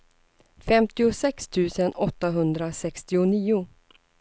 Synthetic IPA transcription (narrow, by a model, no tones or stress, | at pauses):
fɛmt̪ɪʊsɛkst̪ʰʉ̟ːsənɔt̪ːaɦɵnd̪ɾasɛkst̪ɪʊniːʊ